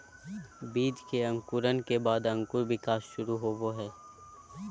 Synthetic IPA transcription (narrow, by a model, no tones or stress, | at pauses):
biːd͡ʒkeɐ̃ŋkʊɾənkebaːd̪ə̃ŋkuɾʋɪkaːsʃʊɾuɦoːʋoɦɛː